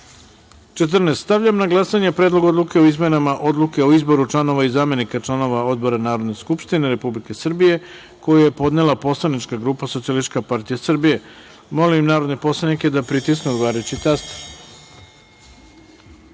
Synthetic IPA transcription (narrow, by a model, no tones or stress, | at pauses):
t͡ʃet̪̬r̩nest̪t̪aʋʎamnaɡlˠasaɲepɾed̪lˠo̞ɡo̞d̪luke̞oizme̞namaʔo̞d̪lˠuke̞oizbo̞ɾut͡ʃlˠano̞ʋaizaːme̞nikat͡ʃlˠano̞ʋao̞d̪̚bo̞ɾanaːɾo̞d̪neskupʃt̪ine̞ɾe̞publike̞sr̩bije̞ | ko̞jaje̞po̞d̪ne̞lapo̞slˠanit͡ʃkaɡɾuːpaso̞t̪sialist͡ʃkapaɾt̪ijasr̩bije̞ | mo̞limnaːɾod̪nepo̞slˠanike̞d̪apɾit̪isknuaːɾet͡ɕit̪ast̪